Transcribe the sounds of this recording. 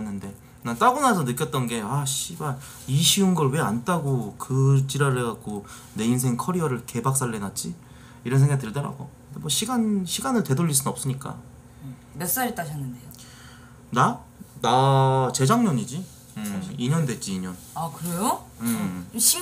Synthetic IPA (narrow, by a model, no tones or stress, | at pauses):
nːɯnde̞ | nat͈aɡunasʰʌnɯk͈jʌt̚t͈ʌnɡe̞aɕʰiban | iɕʰiunɡʌɭwe̞ant͈aɡokɯt͡ɕiɾaɾɯɭɡak̚k͈o | ne̞insʰe̞ŋkʰʌɾiʌɾɯɭke̞bak̚s͈aɭːenat̚t͡ɕ͈i | iɾʌnsʰeŋɡatɯɭdʌɾa̰ɡokɯndemwʌɕʰiɡanɕʰiɡanɯɭtwe̞doʎːis͈ʰɯnnʌp̚s͈ɯɲik͈a̰ | mes͈aɾit͈aɕʰʌnːɯnde̞jo | na | nat͡ɕe̞d͡ʑaŋɲʌɲid͡ʑi | ɯiɲʌndet͡ɕ͈iːɲʌn | akɯɾejoɯ